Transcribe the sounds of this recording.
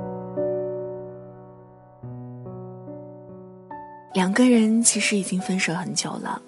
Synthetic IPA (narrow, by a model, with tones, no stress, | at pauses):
ljɑ˨˩ŋɡə˧ɻə˧˥nt͡ɕʰi˧˥ʂɻ̩˧˥i˨˩t͡ɕi˥ŋfə˥nʂɤ˧˥xə˧˥nt͡ɕjo̰˨˩ʊlə̰˦